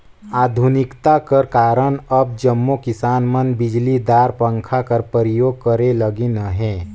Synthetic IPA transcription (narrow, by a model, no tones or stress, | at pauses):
aːd̪ʱʊnɪkt̪akəɾkaːɾəñəb̚d͡ʒəmːokɪsaːnmənbɪd͡ʒlid̪aːɾpə̃ŋkʰakəɾpəɾijoːɡ̚kəɾeləɡenəɦɛ̃ː